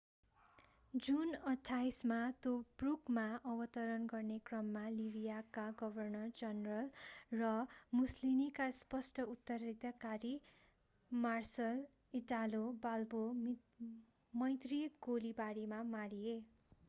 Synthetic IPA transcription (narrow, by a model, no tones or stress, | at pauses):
d͡zunʌʈʰːajsmat̪obrukmaʌbʌt̪ʌɾʌnɡʌrnekrʌmːalibijakaɡʌbʱʌrnʌrd͡zʌnrʌlrʌmuslimikaspʌsʈʰʌut̪ːʌrid̪akaɾi | marsʌl | iʈalobalbom | mʌjt̪riɡolibaɾimamaɽie